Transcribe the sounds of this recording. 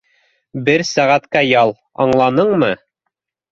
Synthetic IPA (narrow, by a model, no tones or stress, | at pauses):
bɘɾsæʁæt̪kæjɑlˠ | ɑ̰ɴlˠɑnɤɴmɤ